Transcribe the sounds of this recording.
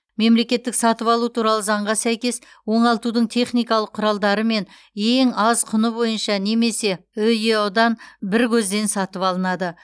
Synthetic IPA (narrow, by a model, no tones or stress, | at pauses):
me̞mle̞kʲe̞t̪ːɪksɑt̪əpɑlˠut̪ʰuɾɑlˠəzɑɴʁɑsæjkʲe̞s | wo̞ɴɑlˠt̪ud̪əɴt̪ʰe̞χnijkɑlˠəqʰːʊɾɑlˠd̪ɑɾəme̞n | e̞ŋɑzqʰʊnəbo̞jənʃɑne̞me̞se̞ɵjewd̪ɑnbɪɾkʲʰɵzd̪e̞nsɑt̪əpɑlˠənɑd̪ə